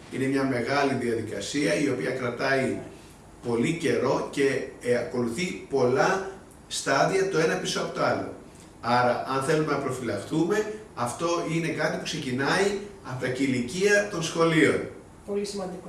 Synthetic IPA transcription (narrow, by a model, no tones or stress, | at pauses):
ine̞mɲɐme̞ɣɐliðiɐðikɐ̰siɐio̞piɐkɾɐt̪ɐi | po̞lice̞ɾo̞ce̞ɐko̞luθipo̞lɐ | st̪ɐðiɐt̪o̞e̞nɐpisoɐpot̪oɐlo̞̰ | ɐɾɐʔɐnθe̞lume̞nɐpɾo̞filɐxt̪ume̞ɐft̪o̞ʔine̞kɐt̪ipukse̞cinɐiɐpot̪ɐciliciɐt̪o̞nsxo̞lio̞̰n | polismɐnd̪i